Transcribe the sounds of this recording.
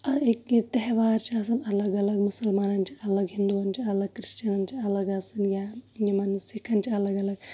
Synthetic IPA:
ɐit̪ːeɦɐʋaːɾt͡ʃaːs̬ɐnɐlɐɡɐlɐɡmusɐlmaːnɐnt͡ʃi̥ɐlːɐɡɦind̪uʋɐnt͡ʃiɐlɐɡkɾiʃt͡ʃɐnɐnt͡ʃiɐlɐɡɐsɐnjajimɐnsikʰɐnt͡ʃiɐlɐɡɐlɐɡ

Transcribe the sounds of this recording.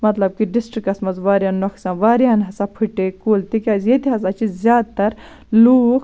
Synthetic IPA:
mɐt̪lɐb̚kiɖisʈɾikɐsmɐzʋaːɾaːnːɐkʰsãːʋaːɾjaːnɦɐsapʰɨʈːekoːlt̪ikʲaːzjet̪iɦɐsat͡ʃʰizzʲjaːd̪̚t̪ɐɾ | luːk

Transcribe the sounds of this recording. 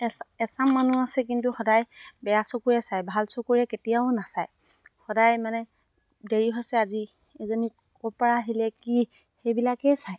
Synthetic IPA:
ɛsamːanuasɛk̬intuxɔdajbɛjasɔkuɹɛsajbʱalsɔkuɹɛketijaʊnasaj | xɔdajmanɛ | deɹiɦɔsɛazi | ɛzoni | ɔpaɹaɦilɛki | xejbilakɛsaj

